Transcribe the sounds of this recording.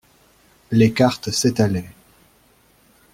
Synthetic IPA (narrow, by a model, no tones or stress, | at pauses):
lekaʁt̪set̪alɛ